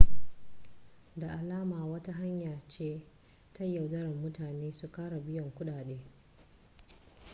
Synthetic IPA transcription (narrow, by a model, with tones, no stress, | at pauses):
da˨ʔa˨laː˦maː˨wɐ˦ta˦ɦa˦ɲjaː˨t͡ʃeː˦ | tʰa˦jːɐ˨wdɐ˦ɽɐ˨mːʊ˦taː˨neː˦su˨kaː˦ɽa˨bɪ˦jɔ˨ŋkʷʊ˦ɗaː˨ɗeː˦